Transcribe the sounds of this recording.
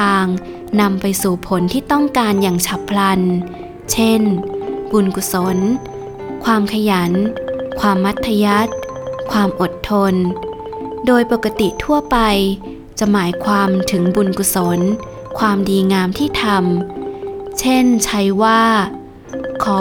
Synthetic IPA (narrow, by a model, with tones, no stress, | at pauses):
t̪ʰaː˧ŋ | na˧mpa˧jsuː˨˩pʰo˩˦nt̪ʰiː˥˩t̪ɔ˥˩ŋkaː˧njaː˨˩ŋt͡ɕʰa˦˥pʰla˧n | t͡ɕʰe˥˩nbu˧nku˧˩so˩˦n | kʰwaː˧mkʰa˧ja˩˦nkʰwaː˧mːa˦˥t̪ʰːa˧ja˦˥t̪̚ | kʰwaː˧mʔo˨˩t̪ʰːo˧n | doː˧jpo˨˩kːa˧t̪i˨˩t̪ʰu˥˩ɐpa˧j | t͡ɕa˨˩maː˩˦jkʰwaː˧mt̪ʰɯ˩˦ŋbu˧nku˧˩so˩˦n | kʰwaː˧mdiː˧ŋaː˧mt̪ʰiː˥˩t̪ʰa˧m | t͡ɕʰe˥˩nt͡ɕʰa˦˥jwaː˥˩ | kʰɔː˩˦